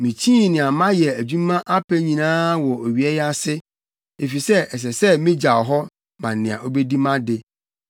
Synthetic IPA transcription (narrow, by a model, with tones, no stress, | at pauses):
mĩ˨t͡ɕʰĩ˦˨nɪ̃˨a˨mã˦jɛ˨æ˨d͡ʑũ˦mã˦ʔa˦pʰæ˦ɲĩ˨nãː˦wɔ˨o˨ɥi˨˦ɛ˦ja˦sɪ˦ | e˨fi˨sɛ˦ɛ˨s̬ɛ˨sɛ˦mĩ˦d͡ʑa˨ɔ˨ɦɔ˦ | mã˨nɪ̃˨a̰˨ʔo˦be˦di˦mã˦dɪ˨